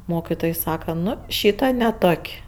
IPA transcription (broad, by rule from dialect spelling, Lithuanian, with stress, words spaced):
ˈmoːkʲɪtoːj ˈsɑːkɐ ˈnʊ ˈʃʲiːtɐ nʲɛ ˈtoːkʲ